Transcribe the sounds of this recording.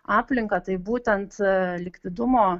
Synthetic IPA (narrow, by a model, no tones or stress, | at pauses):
ɑːpʲlʲɪŋkɐt̪ɐɪbuːt̪ʲɛnt̪lʲɪkt̪ʲɪd̪ʊmoː